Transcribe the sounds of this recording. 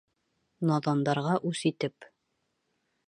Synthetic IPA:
nɑðɑnd̪ɑɾʁɑʔʉsit̪ɘp

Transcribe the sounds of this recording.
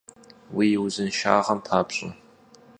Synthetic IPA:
wijwʊzɨnʃa̰ːʁɐmpʰaːpɕʼʊ̰

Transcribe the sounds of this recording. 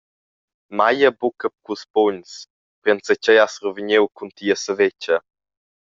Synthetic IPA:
majəbukəp̚kuspoɲs | pɾɛnsət͡ʃɛjasrɔviɲewkuntiəsəvet͡ʃə

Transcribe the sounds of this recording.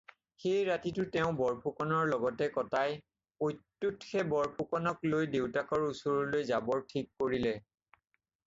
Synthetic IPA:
xejɹatitʊtɛʊ̃bɔɹpʰukɔnɔɹlɔɡɔtɛkɔtaj | ojtːutxɛbɔɹpʰukɔnɔklojdewtakɔɹusoɹɔlojzabɔɹtʰikːoɹilɛ

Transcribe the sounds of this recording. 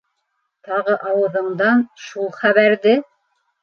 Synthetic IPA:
t̪ɑʁɤʔɑwɤ̆ðɤ̆ɴd̪ɑnʃulˠχæβæɾðɘ

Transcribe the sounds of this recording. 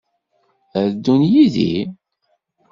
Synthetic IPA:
əɾd̪ːunjiðḭ

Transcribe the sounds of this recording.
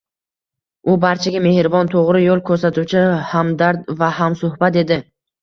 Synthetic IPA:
ʊbaɾt͡ʃʰaɡʲame̞hɾvɒnt̪ʰoʁɾɪjolˠkʰɵɾsat̪ʰuwt͡ʃʰɪhamd̪aɾd̪vahamsʊhbat̪e̞d̪ɪ

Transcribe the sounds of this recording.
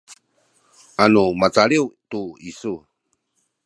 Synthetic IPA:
ʔanumat͡saɭiwtuisu

